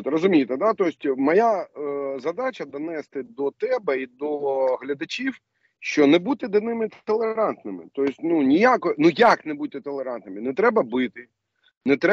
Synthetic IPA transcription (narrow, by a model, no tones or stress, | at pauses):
ɔt̪rɔzʊmʲijɪt̪ɛd̪at̪ɔjsʲtʲmɐjazɐd̪ɑt͡ʃɐd̪ɔnɛst̪ɪd̪ɔt̪ɛbɛid̪ɔɦlʲɐd̪ɐt͡ʃʲiw | ʃt͡ʃɔnɛbut̪ɪd̪ɪnɪmɪt̪ɔlˠeɾɑnt̪nɪmɪ̰t̪ɔsʲtʲnunʲijakɔnujaknɛbut̪ɪt̪ɔlˠeɾɑnt̪nɪmɪnɛt̪ɾɛbɐbɪt̪ɪ | nɛt̪ɾɛ